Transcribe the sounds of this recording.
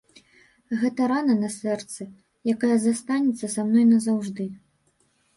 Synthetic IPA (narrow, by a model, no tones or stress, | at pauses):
ɣɛt̪ɐɾanɐnɐsɛrt̪sɨ | jakajɐzast̪anʲɛt̪sːɐsamnɔjnɐzawʐd̪ɨ